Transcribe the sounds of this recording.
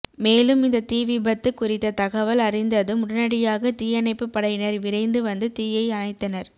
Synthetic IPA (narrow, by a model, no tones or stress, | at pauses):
meːlɯmɪnd̪ɐt̪iːʋɪbɐt̪ːɯkːʊrɪt̪ːɐt̪ɐɣɐʋɐlɐrɪnd̪ɐðɯmʊɽɐnɐɽɪjaːɣɐt̪iːjɐnɐɪpːɯpːɐɽɐjɪnɐɾʋɪɾɐɪnd̪ɯʋɐnd̪ɯt̪iːjɐɪɐnɐɪt̪ːɐnɐɾ